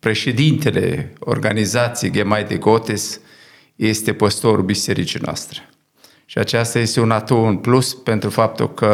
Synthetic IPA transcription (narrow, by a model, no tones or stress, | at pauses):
pɾe̞ʃe̞d̪int̪e̞le̞̰o̞̰rɡanizat̪siejɡemajd̪eɡot̪es | je̞st̪e̞pəst̪o̞ɾubise̞ɾit͡ʃinoa̰st̪ɾe̞̥ | ʃiat͡ʃast̪aje̞st̪e̞unat̪uɨnpluspe̞nt̪ɾufap̚t̪ṵlkə